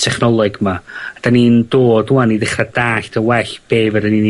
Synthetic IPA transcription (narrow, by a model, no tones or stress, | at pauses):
tʰɛχnɔlˠɔɡmaad̥anindoːd̥uaniðɪχradaːɬtʰəwɛɬb̥eːvədənini